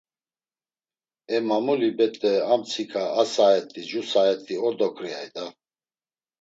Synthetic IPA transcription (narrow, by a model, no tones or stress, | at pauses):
ɛmamulibɛt̪ʼɛamt͡sʰikʰʼaːsaɛt̪ʼid͡ʒusaɛt̪ʼiɔɾd̪ɔkʰʼɾiajd̪a